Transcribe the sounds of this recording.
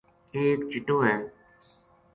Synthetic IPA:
eːkt͡ʃɪʈoːɦẽː

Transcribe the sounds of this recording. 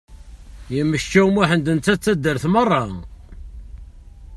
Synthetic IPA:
jəmːəʃt͡ʃːæwmæħənd̪ənt͡s̪ːæt͡sːæd̪ːəɾθmərˤːɑ

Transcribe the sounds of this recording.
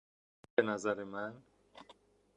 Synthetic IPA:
benæzæɾemæn

